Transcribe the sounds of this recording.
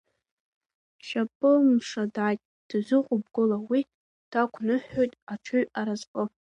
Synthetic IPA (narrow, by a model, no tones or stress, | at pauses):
ʃapʼɨlmʂadʕajtʼ | d̥zʷɨqʷʼʊb̚ɡʊlawi | d̥akʷʰnɨħːojtʼaʈ͡ʂʰɨɥaɾazqʼə